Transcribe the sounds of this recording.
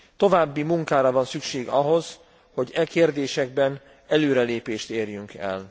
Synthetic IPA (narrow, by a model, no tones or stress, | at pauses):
t̪o̞vaːbːimuŋkaːɾɒvɒnsykʃeːɡɒɦo̞z | ho̞ɟɛkeːrd̪eːʃɛɡ̚bɛn | ɛløːɾɛleːpeːʃt̪eːrjyŋkɛ̰l